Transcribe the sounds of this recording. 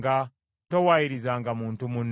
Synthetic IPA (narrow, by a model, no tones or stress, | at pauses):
ɡa | towajiɾizaːŋɡamuːntumun